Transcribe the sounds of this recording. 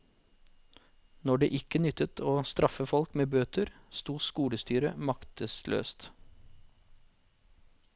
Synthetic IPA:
nɔɖḛːʔɪkənʏt̪ət̪ʰoːst̪ɾɑfəfɔlkmeːbøːt̪əɾst̪uːskuːɽəst̪yːɾəmɑkt̪əslʔø̰ːst̪

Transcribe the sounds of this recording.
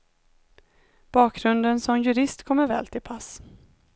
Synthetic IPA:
b̥ɑːkɾɵnd̪ənsɔmjɵɾɪst̪kʰɔmːəɾvɛːlt̪ʰɪlpʰas

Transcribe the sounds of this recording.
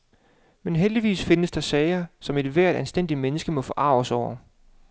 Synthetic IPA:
menɦeld̥iʋḭːsfe̝nəsd̥ɑ̈sɛɪɐsɒ̽me̝d̥ʋæɐ̰d̥ænsd̥en̰d̥imenəsɡ̥əmɒ̽fɒ̽ʔɑ̈ʊsɒʊ̰ɐ

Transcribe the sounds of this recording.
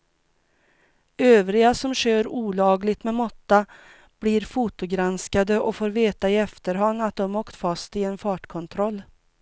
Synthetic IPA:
øːvɾɪɡasɔmɕøːɾuːlɑːɡlɪɡt̪mɛmɔt̪ːa | b̥lɪɾfut̪ʊɡɾanskad̪əʔɔfoːɾveːt̪aɪɛft̪əɾɦanːat̪̚d̪ɔmɔːkt̪fast̪ɪɛnfɑːʈkʰɔnt̪ʰɾɔlː

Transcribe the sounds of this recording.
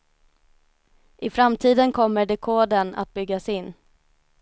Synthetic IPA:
ʔɪfɾamt̪ʰiːd̪ənkʰɔmːəɖɛkʰoːd̪əna̰t̪̚bʏɡːasɪnː

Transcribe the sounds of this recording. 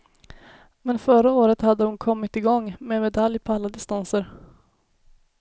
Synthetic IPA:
mɛnfœɾaoːɾət̪had̪ːəhʊnkʰɔmːɪt̪ɪɡɔŋːmeːmɛd̪aljpʰɔalːad̪ɪst̪ansəɾ

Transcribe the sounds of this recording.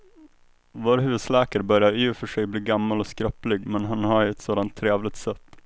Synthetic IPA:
voːɾɦʉ̟ːd̪slæːkəɾbœɾjaɾʉːfœʂɛjbliːɡamːalɔskɾœplɪɡmɛnɦanɦaɾɛt̪soːd̪ant̪ʰːɾeːvlɪt̪sɛt̪ː

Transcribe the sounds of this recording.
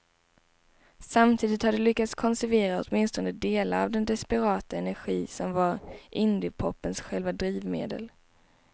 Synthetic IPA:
samt̪ʰiːd̪ɪt̪had̪ɛlʏkːat̪skʰɔnsæɾveːɾaɔt̪mɪnst̪ɔnəd̪eːlaɾa̰vd̪ɛnd̪ɛspɛɾɑːt̪aɛnæɾɧiːsɔmvaɾʔɪnd̪ɪpʰɔpːənsɧɛlvad̪ɾiːvmḛːd̪ə̰l

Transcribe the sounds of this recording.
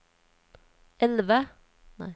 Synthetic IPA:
ɛlʋə | næ̰ɪ

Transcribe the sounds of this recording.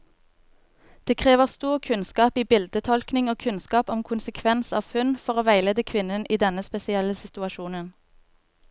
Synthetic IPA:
d̪̥eːkʰʁeːʋəʁst̪uːʁkʰʉnskɑːpiːbɪld̪ət̪ʰɔlknɪŋoːkʰʉnskɑːpɔmkʰʊnsəkʰʋɛnsɑːʋfʉnfɔʁoːʋæɪleːd̪əkʰʋɪnənʔiːd̪ɛnəspɛsɪɛləsɪt̪ʉɑʃuːnən

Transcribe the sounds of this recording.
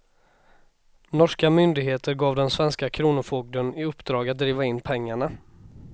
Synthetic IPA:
nɔʂkamʏnd̪ɪɡɦeːt̪ʰəɾɡɑːvd̪ɛnsvɛnskakʰɾuːnʊfoɡ̚d̪ənɪɵpːd̪ɾɑːɡat̪̚d̪ɾiːvaɪnːpʰɛŋːaɳa

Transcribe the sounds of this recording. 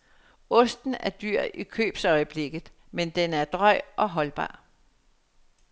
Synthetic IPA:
ɔ̽sd̥n̩æɐd̥yɐ̰ikʰø̰ːb̥sɒ̽ɪəb̥le̝ɡ̥ð̩ˠ | mend̥enæɐd̥ʁɒɪ̰ʔɒ̽ɦɒ̽lb̥ɑ̰̈ː

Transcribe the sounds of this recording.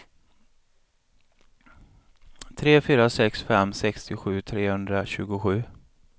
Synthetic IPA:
t̪ʰɾeːfyːɾasɛksfɛmːsɛkst̪ɪɧʉ̟ːt̪ʰɾeːhɵnd̪ɾaɕʉ̟ːɡʊɧʉ̟ː

